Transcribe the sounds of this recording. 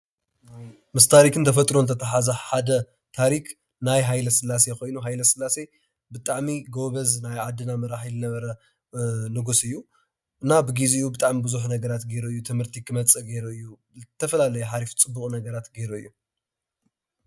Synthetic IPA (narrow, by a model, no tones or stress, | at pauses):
mɨst̪ʰaɾikʰɨnt̪ʰɐfɐt̪ʼɾonɨt̪ʰɐt̪ʰɐħazɐħad̪ɐ | t̪ʰaɾik | najɦajlɐsɨlːas̬eko̞jnuɦajlɐsɨlːase̞ | bɨt̪ʼaʕmiɡo̞βɐznajʕad̪ːɨnamɐɾaħizɨnɐβɐɾɐ | nɨɡusɨjːu | ɨnːabɨɡiziɨjubɨt̪ʼaʕmibɨzuħnɐɡɐɾat̪ɡe̞ɾuɨjːut̪ʰɨmhɨɾt̪ʰikʰɨmɐt͡sʼɨɡe̞ɾuɨjːu | zt̪ʰːɐfɐlalɐjuħaɾift͡sʼɨbːukʼnɐɡɐɾat̪ɡeɾuɨjːu